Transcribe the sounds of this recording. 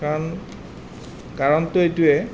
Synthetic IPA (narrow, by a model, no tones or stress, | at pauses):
an | kaɹɔntoejtuɛ